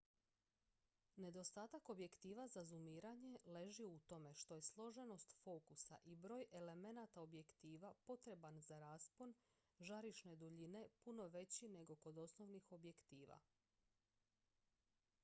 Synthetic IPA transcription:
ne̞d̪o̞st̪aːt̪ako̞bje̞kt̪iːʋazazumiːɾaɲe̞le̞ʒiut̪o̞me̞ʃt̪o̞je̞slˠo̞ʒe̞no̞st̪fo̞ːkusa̰ʔibɾo̞ːje̞le̞me̞nat̪aobje̞kt̪iːʋapo̞t̪ɾe̞banzaɾaːspo̞n | ʒaɾiʃne̞d̪uʎine̞puno̞ʋe̞t͡ɕine̞ɡo̞ko̞d̪o̞sno̞ʋnixo̞bje̞kt̪iːʋa̰

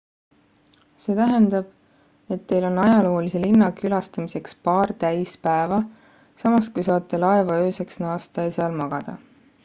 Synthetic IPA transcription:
se̞ːt̪æɦend̪̥ɑb̥ | e̞t̪ːe̞jlo̞nːɑjɑlo̞ːlise̞linːɑkylɑst̪ɑmise̞kspɑːrt̪æjspæevɑ | sɑmɑskujsɑːt̪ːˑelɑe̞vɑøːse̞ksnɑːst̪ɑjseɑlmɑɡ̥ɑd̪̥ɑ̰

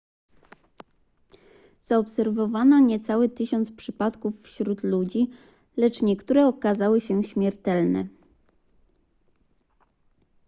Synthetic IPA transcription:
z̥aɔpsɛɾvɔvanɔɲɛt̪sawɘt̪ɘɕɔnt̪spʂɘpat̪kufːɕɾut̪lud͡ʑi | lɛt͡ʂɲɛkt̪uɾɛɔkazawɘɕɛɕmʲjɛɾt̪ɛlnɛ̰

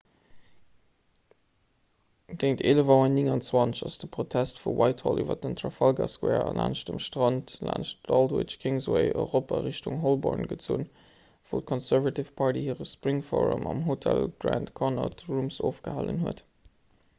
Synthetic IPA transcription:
ɡ̥eɪŋtʰeːləvɑənːɪŋɑnt͡swɑnt͡səʃɑsd̥əpʁotʰæstfuwʔɑɪthɔlʔyːvɐ̰dəntʰɹɑfɑlɡɑskwɛːɹɑ̰lʔa̰ːnʃdəmʃtʁɑntla̰ːnʃtɑldə̰t͡ʃkʰeŋzoəɪʔɔʏʁopaʁeʃtuŋɦɔlbɔɹnɡət͡sṵːn | v̥ot̚kʰɔnsæɹvɑtifpʰɑɹtihiːʁəspʁiŋfɔɹṵmʔɑmɦotʰælɡɹæntkʰɔnɑtɹumsoːfɡ̥əhaːlə̰nɦuət

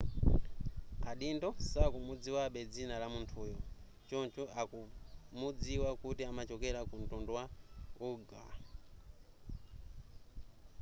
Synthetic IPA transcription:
aɗindɔsakumud͡ziwaɓɛd͡zinalamuntʰuːjɔ | t͡ʃɔnt͡ʃɔʔakumud͡ziwakutiamat͡ʃɔkɛɾakuntɔndɔwauɡa̰

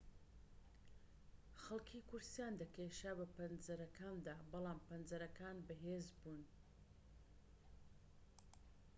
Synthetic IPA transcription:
xɐlˠkʰiːkʊɾsijand̪ɐkeʃabɐpɐnzɐɾɐkʰaːnd̪aːbɑlˠaːmpɐnzɐɾɐkaːnbɐɦeːzbuːn

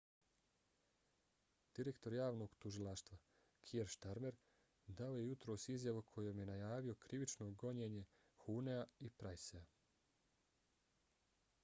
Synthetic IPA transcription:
d̪̥iɾekt̪o̞ɾjaːʋno̞ɡt̪uʒilˠaʃt̪ʋa | kʰieɾʃt̪aɾme̞ɾ | d̪ao̞je̞jut̪ɾo̞ːsizjaʋukʰo̞jomje̞najaːʋio̞kɾiʋit͡ʃno̞ɡo̞ɲeːɲe̞ | xuneaipɾajsea

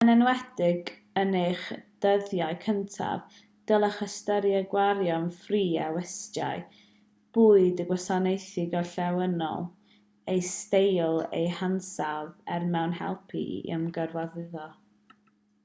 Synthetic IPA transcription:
ənɛnwɛdɪɡ | ənejχd̥əðjaɨkʰəntʰa̰v | d̥əlˠəχəstəɾjɛɡwaɾjɔnfriːawɛsta̰ɨ | b̥uːɨdəɡwɔsanejθɪɡɔɬɛwənɔ̰lˠ | ejstejlˠḛjhansavɛrmɛwnhɛ̰lˠpʰḭə̰mɡərwaðɪðɔ

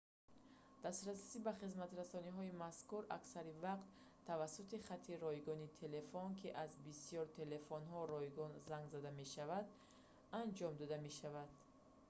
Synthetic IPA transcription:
d̪̥ast̪ɾasi̥sibaχizmat̪ɾasɔniɦɔimaskuɾaksaɾivaqt̪ʰː | avasːut̪iχat̪ʰːiɾɔjɡɔnit̪ʰe̞le̞fɔnkʰiʔazbisijɔɾt̪ʰe̞le̞fɔnɦɔɾɔjɡɔnzaŋɡzad̪ame̞ʃavad̪ | and͡ʒɔmd̪ɔd̪ame̞ʃavad̪

